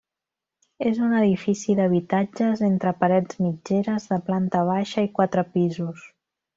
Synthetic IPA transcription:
ezunəðifisiðəβ̞it̪ad͡ʒəzent̪ɾəpəɾɛd͡zmid͡ʒeɾəzðəplant̪əβ̞aʃəikwat̪ɾəpizus

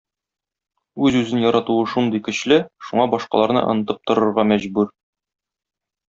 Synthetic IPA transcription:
ʉzʉzɘnjɒɾɑt̪uɤʃund̪ɤjkɵ̆ɕlɘʃuɴɑbɒʃqɑ̰lˠɑɾnɤ̰ʔŏ̰nɤ̆t̪ɤp̚t̪ŏɾŏɾʁɑmæʑbʉɾ

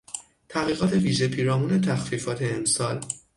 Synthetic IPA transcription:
t̪ʰæɣiːɣɒːt̪ʰe̞viːʒe̞pʰiːɾɒːmuːne̞t̪ʰæxfiːfɒːt̪ʰe̞ːmsɒːl

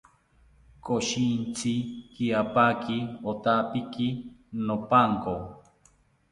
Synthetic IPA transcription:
koʃint͡sʰikiapakiot̪aʔpikinopaŋko

